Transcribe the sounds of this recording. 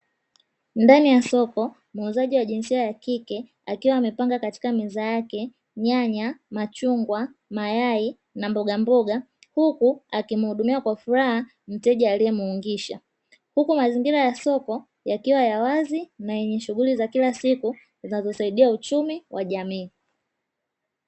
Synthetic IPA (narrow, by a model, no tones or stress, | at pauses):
ndanijasɔkɔ | mːzaʄiwaʄinsiajakikɛ | akiwaːmɛpaŋɡakati̥kamizajakɛ | ɲaɲamat͡ʃuŋɡwamajai | nambɔɡambɔɡa | hukuakim̩huɗumiwakwafuɾaha | m̩tɛʄaːlijɛmuuŋɡiʃa̰ | hukumaziŋɡiɾajasɔkɔ | jakiwajawazinajɛɲɛʃuɣulizakilasiku | zinazɔsaiɗiaut͡ʃumiwʔaʄamiː